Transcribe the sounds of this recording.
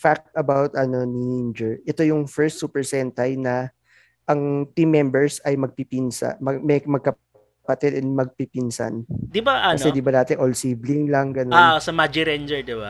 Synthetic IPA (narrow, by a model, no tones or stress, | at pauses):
fak̚t̪ɐbawt̪ɐno̞nend͡ʒɛɹʔɛt̪o̞jʊŋfɛɹst̪supɛɹsɛnt̪ɐjnɐ | ʔɐŋt̪imːɛmbɛɹsɐjmɐɡ̚pipinsa̰mɐmɛmɐɡ̚kɐ | pɐt̪ɛd̪ɛnmɐɡ̚pipinsa̰nd̪ɪbaʔɐkɐsɛd̪ɪbanaːt̪ɛʔolsiːblɪŋlɐŋɡɐnoansɐmad͡ʒiɾɛnd͡ʒɛɹd̪ɪba